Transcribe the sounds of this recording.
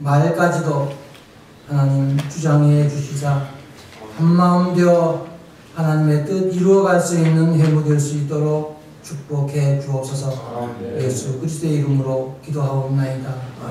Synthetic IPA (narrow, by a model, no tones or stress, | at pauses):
maɭk͈ad͡ʑido | hanaɲimt͡ɕud͡ʑaŋet͡ɕuɕʰid͡ʑa | hamːaɯmbjʌ | hanaɲime̞t͈ɯdiɾuʌɡaɭs͈uinːɯnɦemudweɭs͈uit͈oɾok̚ | t͡ɕʰuk̚p͈okʰe̞t͡ɕuʌp̚sʰʌsʰʌje̞sʰukɯɾis̬ʰt̪ʰoeiɾɯmɯɾokidoɦaonnaida